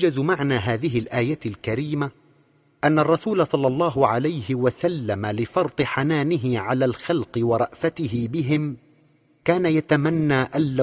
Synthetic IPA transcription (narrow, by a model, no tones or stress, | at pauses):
d͡ʒazmaʕnaːɦaːðɪɦɪlʔaːjalkaɾiːma | ʔanːarˤːɑsuːlasˤɑlːɑlˤːɑːɦʊʕalajhɪwasalːamalɪfɑɾˤt̪ˤɨħanaːnɪɦɪʕalaːlxɑlqɨwɑɾˤɑʔfat̪ɪɦɪbɪɦɪm | kaːnajat̪amanːaːʔalːa